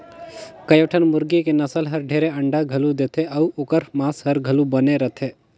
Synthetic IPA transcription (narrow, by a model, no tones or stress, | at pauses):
kəjəʈʰənmʊɾɡekenɐsəlɦəɾɖʱeːɾeɐɳɖaɡʱɐlud̪eːt̪ʰeʔɐuoːkəɾmaːsɦəɾɡʱəlubəneɾət̪ʰe